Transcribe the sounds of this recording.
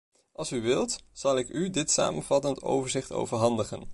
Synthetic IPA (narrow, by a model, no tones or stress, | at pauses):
ʔɑlˠsyʋɪlˠtz̥ɑlˠɪkydɪtsa̰ːmənv̥ɑtənto̰wvəɹzɪχto̰wvəɹɦɑndəχə̰n